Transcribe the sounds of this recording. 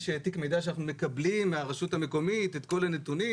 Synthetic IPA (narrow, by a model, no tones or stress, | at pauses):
ʃet̪ikmejdaʃanaχnume̞kablimːaʁeʃutame̞ko̞mitet̪ko̞lane̞tuni